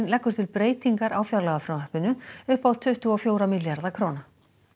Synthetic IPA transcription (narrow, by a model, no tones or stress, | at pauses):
nlɛkːʏɾ̥t̪ʰɪlpɾeːjt̪iŋkaɾʔaːwfjaɾlaɣafɾawnɛhpɪnʏʏhpaw̪t̪ʰʏht̪ʏɔfjoːwɾamiljaɾðakʰɾowna